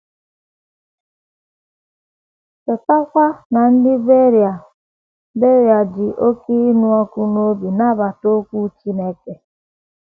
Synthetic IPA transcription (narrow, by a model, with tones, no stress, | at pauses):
ke˨ta˦kʷa˦na˨n̩˦dɪ˦be˦ɾja˨ | be˦ɾja˨dɪ˨ʔo˦ki˦nu˦ɔ˦ku˦no˦bi˨na˦ba˨to˦kʷu˦t͡ʃi˦ne˦ke˨